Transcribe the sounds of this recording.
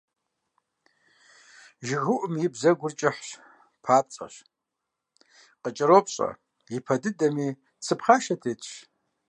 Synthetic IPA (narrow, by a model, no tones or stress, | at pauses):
ʒɪɣʊʔʊmjɪbzɐɡʷʊrt͡ʃʼɪħɕ | pʰaːt͡sʼɐ̰ɕ | qət͡ʃʼɪɾoːpʰʼɕʼɐ̰ | jɪpʰɐdɨdɐmiː | t͡sʰɨpχaːʃɐtʰeːtʰʼʃ